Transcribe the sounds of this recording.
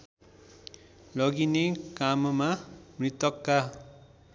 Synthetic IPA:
lʌɡinekammamrit̪ʌkːa

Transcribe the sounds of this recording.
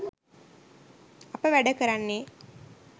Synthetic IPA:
apəʋæɖɐkəɾanːe

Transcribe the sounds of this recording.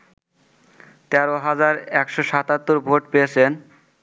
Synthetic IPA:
t̪ɛɾoɦad͡ʑaɾɛkʃoʃat̪at̪ːoɾbʱoʈpeet͡ɕʰen

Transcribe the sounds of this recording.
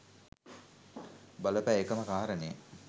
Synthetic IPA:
bɐləpæekəməkaːaɾəne

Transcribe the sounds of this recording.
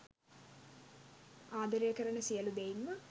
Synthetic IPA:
aːd̪əɾijəkəɾəɳəsijəlud̪einmə

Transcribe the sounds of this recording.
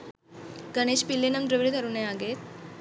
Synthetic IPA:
ɡəɽ̃eɕpilːenəmd̪ɾəʋɾit̪əɾuneaɡet̪̚

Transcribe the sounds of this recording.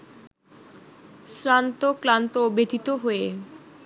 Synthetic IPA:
sɾant̪oklant̪oobed̪ʱit̪oɦoe

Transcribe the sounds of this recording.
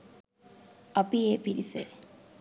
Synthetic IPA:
ɐpijepiɾise

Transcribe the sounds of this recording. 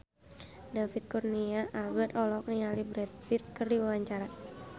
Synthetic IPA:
dafit̪̚kurniaʔalbɛrt̪ɔlɔk̚nialibɾɛt̪̚fit̪̚kɨrdiwawaɲt͡ʃaɾa

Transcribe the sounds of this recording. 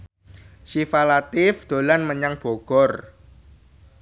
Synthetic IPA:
sifalat̪ɪfd̪̥o̤lanməɲaŋb̥o̤ɡ̥ɔr

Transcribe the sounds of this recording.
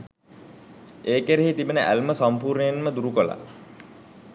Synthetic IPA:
eːkeɾeɦit̪ibənəʔæ̰lməsampuːɾnəjenməd̪uɾukola̰

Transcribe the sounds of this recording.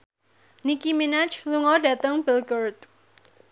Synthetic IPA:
nikiminat͡ʃluŋɔda̤t̪əŋbilɡərt̪̚

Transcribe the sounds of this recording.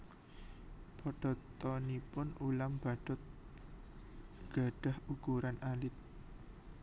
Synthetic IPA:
pɔɖ̥ɔ̤t̪ɔnipʊnʔulamb̥a̤ɖ̥ɔt̪̚ | ɡ̥a̤ɖ̥a̤hukuɾanalɪt̪̚

